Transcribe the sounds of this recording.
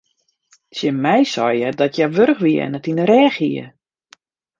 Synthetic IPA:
sjəmɛjsɔjədɔtjaʋøɾxʋiəɛ̰ndɔtinəɾɛːxiə̰

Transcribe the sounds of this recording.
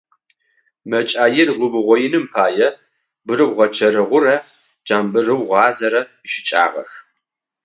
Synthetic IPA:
mɐt͡ʃʼaːjɪrʁʊbɨʁʷɔjɪnɨmpʰaːjɛ | bɨɾɨwʁɐt͡ʃʰɐɾɨʁʷʊrɐ | d͡ʒaːmbɨrɨwʁɑːzɐɾɐ | ʃɪ̥t͡ʃʼa̰ːʁɐ̰x

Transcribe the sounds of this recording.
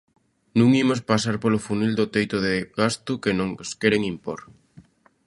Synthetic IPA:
nũŋimos̬pasaɾpolʊfunild̪ʊt̪ejt̪ʊðeɣast̪ʊkenõŋskeɾeŋimpoɾ

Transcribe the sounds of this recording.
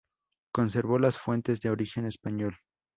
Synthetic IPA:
ko̞ns̬e̞ɾβo̞lasfwe̞nt̪e̞zðe̞o̞ɾixe̞ne̞spaɲo̞l

